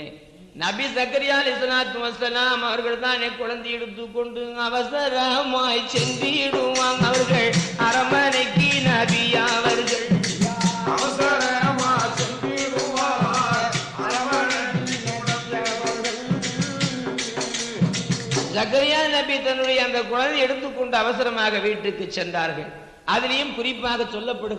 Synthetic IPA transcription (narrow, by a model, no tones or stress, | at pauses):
nɐbisɐkɐɾɪjaːlɪsɐlaːt̪umɐsɐlaːmɐʋɐɾɣɐɭt̪aːneːkʊɻɐnd̪ɐjɛɽɯt̪ːɯkːɔɳɖɯɐʋɐsɐɾɐɦɐmaːjt͡ʃɛnd̪iɽɯʋaːŋɐʋɐɾɣɐɭɐɾɐmɐnɐɪkːɯnɐbiɐʋɐɾɣɐɭ | ɐʋɐsɐɾɐɦɐmaːt͡ʃɛnd̪iɽuʋaː | ɐɾɐmɐnɐtːɪlnɐɽɐmlɐʋɐɾɣɐɭ | d͡ʒɐɣɐɾɪjaːnɐbit̪ɐnːɯɽɐjɐːnd̪ɐkʊɻɐnd̪ɪɛɽɯt̪ːɯkːɔɳɖɐɐʋɐsɪɾɐmaːɣɐʋiːʈrɯkːɯt͡ʃːɛndaːɾɣɐɭ | ʔɐðɪlɐjɯmkʊɾɪpːaːɣɐsɔlːɐpːɐɽɯ